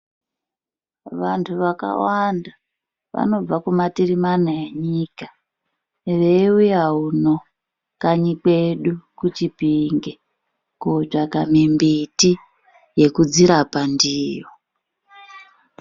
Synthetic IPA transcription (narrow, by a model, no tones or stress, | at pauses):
ʋantʰuʋaka̰wanda | ʋa̰no̞b͡vakumatirimanaeɲiːka | ʋe̞iujauno | kaɲikweɗukut͡ʃipiŋɡe | kot͡ʂakamimbiti | je̞kud͡ziɾapandiːjo